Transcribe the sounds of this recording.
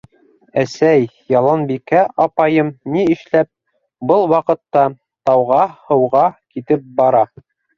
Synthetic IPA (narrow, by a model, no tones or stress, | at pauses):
æsæjjɑlˠɑnbikæʔɑpɑjɤmniɘ̆ʃlæp̚ | bɤlˠwɑqɤ̆t̪ːɑ | t̪ɑwʁɑhɤ̆wʁɑkit̪ɘp̚bɑɾɑ